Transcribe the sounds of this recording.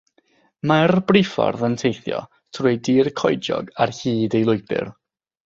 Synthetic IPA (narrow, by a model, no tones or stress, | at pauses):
marbrɪfɔ̰rðəntʰejθjɔ̰ | tʰrʊjdiːrkʰɔjd͡ʒɔ̰ɡarhiːdejlˠʊjbɪ̰r